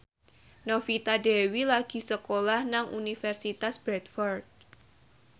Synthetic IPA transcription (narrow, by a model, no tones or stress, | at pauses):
nofit̪adɛwilaɡ̥i̤səkolahnaŋʔunifɛrsit̪asb̥ɾɛt̪̚fɔrt̪̚